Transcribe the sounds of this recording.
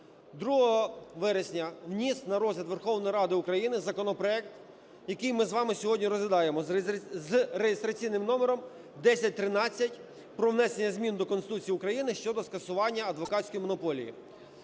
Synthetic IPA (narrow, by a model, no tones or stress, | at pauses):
d̪ɾuɦɔɦɔʋɛɾesʲnʲɐʋnʲist̪nɐɾɔzʲlʲɐt̪ʋerxɔʋnɔjɾɑd̪ɪʊkɾɐjinɪzɐkɔnɔpɾɔɛk̚t̪ | jɐkɪjmɪzʋɑmɪsʲɔɦɔdʲnʲiɾɔzʋʲɪd̪ɑjemɔzrejɪst̪ɾɐt͡sʲijnɪmnɔmeɾɔm | d̪ɛsʲɐt̚ʲt̪ɾɪnɑt͡sʲːɐtʲ | pɾɔwnɛsenʲːɐzʲmʲind̪ɔkɔnst̪ut͡sʲijukɾɐjinɪʃt͡ʃɔd̪ɔskɐsʊʋɑnʲːɐɐd̪ʋɔkɑsʲkɔjimɔnɔpɔlʲḭjḭ